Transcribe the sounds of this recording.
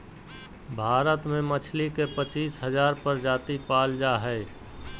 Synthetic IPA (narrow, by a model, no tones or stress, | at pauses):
bʱaːɾət̪mẽmət͡ʃʰlikepət͡ʃiːsɦəzaːɾpəɾd͡ʒaːt̪ipaːld͡ʒaɦɛ